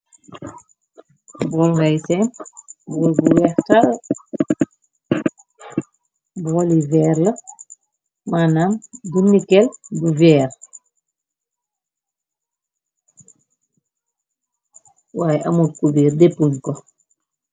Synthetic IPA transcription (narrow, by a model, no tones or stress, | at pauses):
bɔːlŋɡajsɛmpbɔːlbuwɛxtal | bɔlivɛːrlɐ | maːnaːmdunːikɛlbuvɛːr | waːjʔɐmutkubiːrdepːuɲkɔ